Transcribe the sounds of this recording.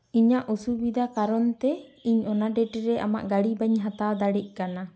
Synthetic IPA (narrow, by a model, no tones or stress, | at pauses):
iɲaʔusubid̪akaɾɔnt̪ɛiɲɔnaɖɛʈɛɾɛʔa̰ma̰ʔɡaɽibaɲɦat̪awd̪aɽɛc̚ˀkana